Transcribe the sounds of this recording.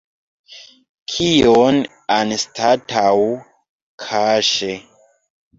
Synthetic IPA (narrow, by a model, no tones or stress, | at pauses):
kʰijon | anstatʰaw | kʰaʃe